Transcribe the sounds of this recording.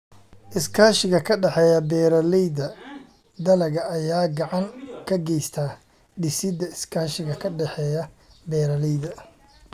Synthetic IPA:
ʔɪskʰaːʃɪɣɐkʰɐɖɛħɛːjɐbɛːɾɐlɛjdɐ | d̪ɐlɐɣɐːjaːɡɑʕɑŋkʰɐɡɛjst̪ʰaː | ɖɪsɪd̪ɐɪskʰaːʃɪɣɐkʰɐɖɛħɛːjɐbɛːɾɐlɛjd̪ɐ

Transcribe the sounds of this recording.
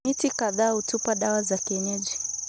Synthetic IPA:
itikaðaːhutupaɗawazakiɛɲɛd͡ʒi

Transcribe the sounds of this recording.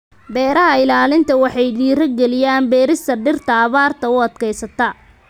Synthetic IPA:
bɛːɾɐɦɐɪlaːlɪnt̪ʰɐwɑħɑjɖiːɾɐɡɛlɪjaːnbɛːɾɪst̪ʰɐɖɪrt̪ʰɐːβaːrt̪ʰɐʊɐd̪kʰɛjsɐt̪ʰɐ

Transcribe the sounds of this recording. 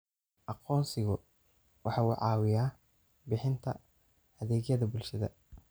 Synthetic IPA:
ʔɑqɔːnsɪɣʊ | wʔɑħɑːuːʕɑ̰ːwɪjaː | bɪħɪnt̪ʰɐ̰ | ɐðɛːɡjɐðɐbʊlʃɐðɐ̰

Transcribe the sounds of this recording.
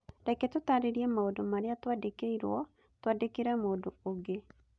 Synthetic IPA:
dɛkɛtotaɾeɾiɛmaodomaɾeatwadekeiɾwɔ | twadekeɾɛmoːdooɡe

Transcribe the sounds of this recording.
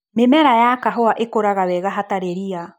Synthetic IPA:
memɛɾajakaɦɔaʔekoɾaɣawɛɣaɦataɾeɾia

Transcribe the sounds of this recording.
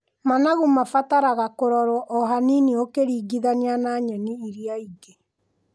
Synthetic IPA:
manaɣumafataɾaɣakoɾɔɾwɔʔɔɦaniniokeɾiːɡiðanianaːɲɛniːɾiaiɡe

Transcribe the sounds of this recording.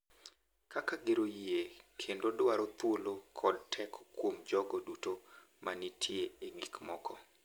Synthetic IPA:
kakaɡeɾojiekʰendodwaɾot̪wolokʰɔd̚tʰɛkɔkwomd͡ʒɔɡɔduto | manitʰieeŋikmɔkʰɔ

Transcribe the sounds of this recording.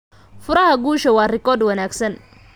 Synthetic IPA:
fʊɾɐɦɐɡuːʃɐwɑːrɪkɔrd̪wɐnaːɡsɐn

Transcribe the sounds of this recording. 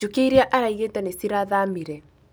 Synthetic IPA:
okeiɾeaʔaɾaiɣetanesiɾaðamiɾɛ

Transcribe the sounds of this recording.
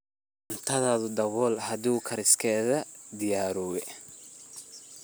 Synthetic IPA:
ʔɐnt̪ʰɐðaːðʊd̪ɐɣɔːlhɐduːkʰɐɾɪskʰɛːðɐd̪ɪjaːɾɔːwɛ

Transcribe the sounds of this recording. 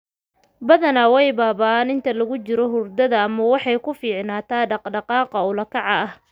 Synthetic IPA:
bɐðɐnɐwɛjbaːβanɪnt̪ʰɐlɐɣʊt͡ʃɪɾɔɦʊrd̪ɐðɐːmɐwɑħɑjkʰʊfiːʕnaːt̪ʰaːɖɑqɖɑqɑːqɑʊlɐkʰɑʕɑɐh

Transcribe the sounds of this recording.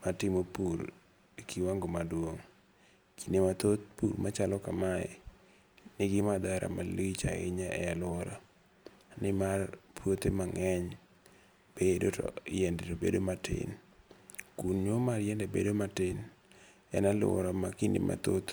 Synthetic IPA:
matɪmopuɾ | ikʰiwaŋɡomadwoŋ | kinemat̪ot̪pṵɾmat͡ʃalɔkamaɛ̰ | nɪɡɪmad̪aɾa̰malit͡ʃa̰ɪ̰ɲaʔɛ̰alʊɔɾa | nɪmarpwot̪emaŋɛɲ | b̥edotɔ̰jɛndetobḛdomatʰɪ̰n | kunɲomaɾjɛndebḛdomatɪn | ɛ̰nalʊ̰ɔ̰ɾamakindḛmʔa̰t̪ot̪

